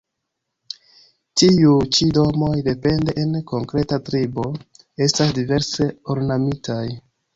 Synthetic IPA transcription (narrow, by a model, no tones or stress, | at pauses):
tiut͡ʃido̞mo̞jde̞pe̞nde̞ʔenko̞ŋkɾe̞tatɾibo̞ | e̞stasdive̞ɾse̞oɾnamitʰaj